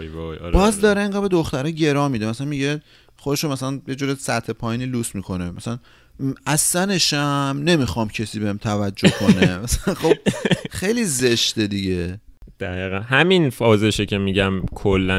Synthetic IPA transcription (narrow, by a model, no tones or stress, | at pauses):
jvɑjɒ̰ɾbɒːzd̪ɒːɾeeŋɡæd̪bed̪oxt̪æɾɒːɟe̞ɾɒːmid̪emæsælænmiɟe | χod̪eʃomæsælænje̞d͡ʒuːɾesæɾt̪ʰe̞pʰɒːjiːniːluːsmiːkʰo̞nemæsælæn | æsːæne̞ʃæmne̞mixɒːmcʰesiːbehemt̪ʰævæd͡ʒːohkʰo̞nemæsælænxob̥̚xe̞jliːzeʃt̪e̞d̪iɟe | d̪̥æɣiːɣænɦæminfɒːzeʃecʰʲemiɟæmkʰolːæ